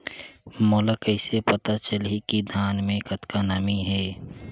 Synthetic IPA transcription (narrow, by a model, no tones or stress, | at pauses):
moːləkəɪsepɐt̪at͡ʃəlikid̪ʱaːnmẽkɐt̪kanaːmiɦɛː